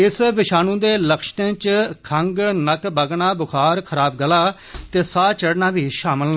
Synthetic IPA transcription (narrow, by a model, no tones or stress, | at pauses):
ɪsʋɪʃaːnũːd̪eːləkʃʈẽːt͡ʃkʰəŋɡnəkbəɡɳaːbʊkʰaːɾkʰəɾaːbɡəlaː | t̪eːsaːt͡ʃəɽnaːʋiːʃaːməln